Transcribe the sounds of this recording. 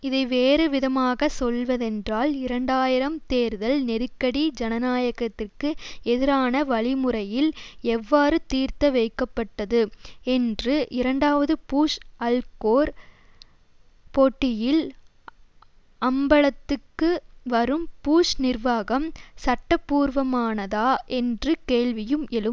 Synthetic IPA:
ɪðɐɪʋeːɾɯʋɪðɐmaːɣɐsɔlʋɐðɛndraːlɪɾɐɳɖaːjɪɾɐmt̪eːɾðɐlnɛɾɯkːɐɽid͡ʒɛnɐnaːjɐɣɐt̪ːɪrkɯɛðɪɾaːnɐʋɐɭɪmɯrɐjɪlɛʋːaːɾɯt̪iːɾt̪ɐʋɐɪkːɐpːɐʈːɐðɯɛndrɯʔɪɾɐɳɖaːʋɐðɯpuːʂɐlkoːɾ | poːʈːɪjɪl | ɐmbɐɭɐt̪ːɯkːɯʋɐɾɯmpuːʂnɪrʋaːɣɐmsɐʈːɐpːuːɾʋɐmaːnɐðaːʔɛndrɯkeːɭʋɪjɯmʔɛlɯm

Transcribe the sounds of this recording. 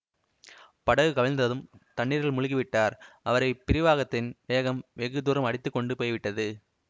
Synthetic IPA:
pɐɽɐʋɯkɐʋɐnd̪ɐðɯmt̪ɐɳːiːɾɣɐɭmʊɻɪɣɪʋɪʈːaːɾʔɐʋɐɾɐɪpːɪɾɪʋaːɣɐt̪ːɪnʋeːɣɐmʋɛɣɯd̪uːɾɯmɐɽɪt̪ːɯkːɔɳɖɯpoːjʋɪʈːɐðɯ

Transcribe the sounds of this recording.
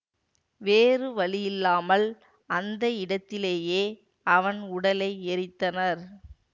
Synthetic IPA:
ʋeːrɯʋɐɭɪjɪlːaːmɐl | ɐnd̪ɐɪɽɐt̪ːɪleːjeː | ɐʋɐnʊɽɐlɐɪɛɾɪt̪ːɐnɐɾ

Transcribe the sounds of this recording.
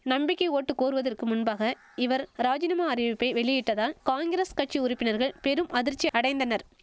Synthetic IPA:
nɐmbɪkːɐoːʈːɯkːoːɾɯʋɐðɐrkɯmʊnbaːɣɐ | ɪʋɐɾɾaːd͡ʒɪnɐmaːɐɾɪʋɪpːɐɪʋɛɭɪjɪʈːɐðaːkaːnɡɪɾeskɐʈ̚t͡ʃːiʊɾɪpːɪnɐɾɣɐɭpɛɾɯmʔɐðɪɾt͡ʃːiɐɽɐɪnd̪ɐnɐɾ

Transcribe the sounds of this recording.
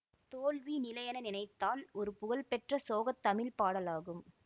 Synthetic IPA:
t̪oːlʋinɪlɐjɐnɐnɪnɐɪt̪ːaːlɔɾɯpʊɣɐlpɛʈrɐsoːɣɐt̪ːɐmɪlpaːɽɐlaːɣɯm

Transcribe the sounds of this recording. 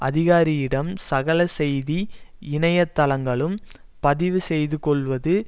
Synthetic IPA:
ʔɐðɪɣaːɾɪjɪɽɐmsɐɣɐlɐsɛjðiɪɳɐjɐt̪ːɐlɐŋɡɐɭɯm | pɐðɪʋɯsɛjðɯkɔɭʋɐðɯ

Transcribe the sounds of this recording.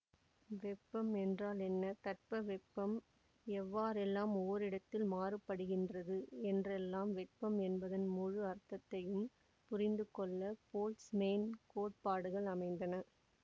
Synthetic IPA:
ʋɛpːɐmɛndraːlɛnːɐt̪ɐʈ̚pɐʋɛpːɐm | ɛʋːaːɾɛlːaːmɔʋɐɾɪɽɐt̪ːɪlmaːrɯpːɐɽɯɣɪndrɐðɯɛndrɛlːaːmʋɛʈpːɐmɛnbɐðɐnmʊɻɯɐɾt̪ːɐt̪ːɐjɯm | pʊɾɪnd̪ɯkɔɭːɐpoːlsmeːnkoːʈ̚paːɽɯɣɐɭɐmɐɪnd̪ɐnɐ

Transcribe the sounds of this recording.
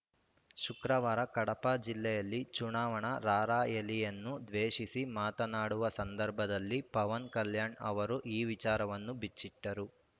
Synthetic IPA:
ʃukɾɐʋaːɾɐkɐɽɐpad͡ʒilːɛjɐlːit͡ʃuɳaːʋɐɳɐɾaːɾaːjelijɐnːud̪ʋeːʂisimaːt̪ɐnaːɽuʋɐsɐnd̪ɐɾbʱɐd̪ɐlːipɐʋɐnkɐljaːɳɐʋɐɾuʔiːʋit͡ʃaːɾɐʋɐnːubit͡ʃːiʈːɐɾu

